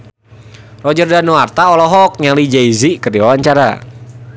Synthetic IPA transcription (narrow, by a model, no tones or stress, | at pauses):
rɔd͡ʒərdanuart̪aɔlɔɦɔk̚ɲalid͡ʒaizikərdiwawaɲt͡ʃaɾa̰